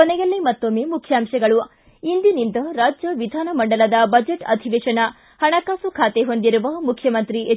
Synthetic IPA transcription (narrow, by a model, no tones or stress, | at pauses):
kɔnɛjɐlːimɐt̪ːomːeːmukʰːjaːmʂɐɡɐɭu | ind̪inind̪ɐɾaːd͡ʒjɐʋid̪ʱaːnɐmɐɳɖɐlɐd̪ɐbɐd͡ʒeʈɐ̰d̪ʱiʋeːʂɐnɐ | hɐɳɐkaːsukʰaːt̪eɦond̪iɾuʋɐmukʰːjɐmɐnt̪ɾiʔe